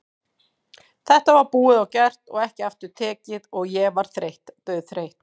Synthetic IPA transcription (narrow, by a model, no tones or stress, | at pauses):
θɛht̪avaɾpuːɪðawcɛr̥t̪ɔ̰ɣɛhcɪaft̪ʏɾ̥t̪ʰɛːcɪðɔɣjɛvaɾ̥θɾejht̪t̪œɥðθɾejht̪